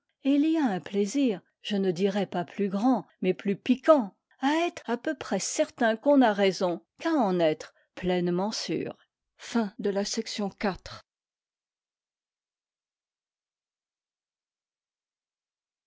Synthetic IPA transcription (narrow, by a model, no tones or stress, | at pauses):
iliaɛ̃pleziːʁ | ʒ̥ənəd̪iʁɛpaplyɡʁɑ̃ | mɛplypikɑ̃ | aɛt̪χapøpχɛsɛʁt̪ɛ̃kɔ̃naʁezɔ̃kaɑ̃nɛt̪χ | plɛnmɑ̃sy̰ːʁ | fɛ̃d̪əlasɛksjɔ̃kat̪χ